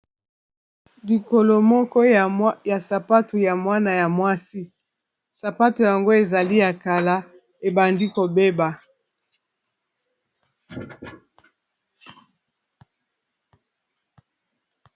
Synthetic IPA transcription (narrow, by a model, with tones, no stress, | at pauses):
li˨ko˨lo˨mɔ˦kɔ˦˨ja˨sa˨pa˦tu˨ja˨mwa˦na˨ja˨mwa˦si˦ | sa˨pa˦tu˨ja˨ŋɡo˦e˨za˨li˦ja˨ka˨la˦ | e˨ba˨ndi˦ko˨be˦ba˨